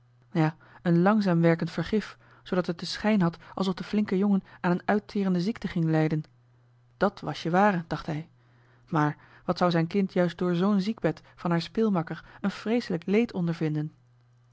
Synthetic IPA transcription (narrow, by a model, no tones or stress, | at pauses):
jaː | ənlɑŋzaːmʋɛɹkəntfəɹχɪf | zowdɑtɦət̚dəsχɛjnɦɑtʔɑlˠsɔfdəflɪŋkəjoŋənaːnənœɥtʰɪːrəndəzik̚təχɪŋlɛjdən | d̥ɑtʋɑʃəʋaːrəd̥ɑχtɦɛj | maːɹ | ʋɑtsʌwzɛjnkɪntʰjœɥsdʊːɹzownziɡ̚bɛtfɑnɦaːɹspɪlˠmɑkəɹənfrejsələklejtʰɔndəɹvɪndən